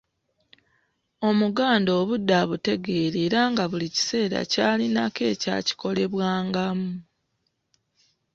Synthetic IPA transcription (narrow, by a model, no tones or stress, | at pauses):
o̞muɡaːndo̞ːβudːaβute̞ɡe̞ːɾeːɾaːŋɡaβulici̥se̞ːɾa̰caːlinake̞ːca̰ːci̥ko̞le̞βwaːŋɡamu